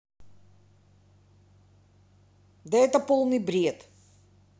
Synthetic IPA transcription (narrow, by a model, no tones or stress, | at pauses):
d̪ɐɛt̪ɐpolˠnɨjbɾʲiɛt̪